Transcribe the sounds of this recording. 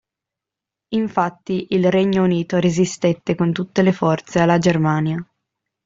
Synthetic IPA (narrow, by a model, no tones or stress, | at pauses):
iɱfat̪ːiʔilrɛɲːouniːt̪oɾezist̪et̪ːekont̪ut̪ːelefɔrt̪sealːad͡ʒermaːnja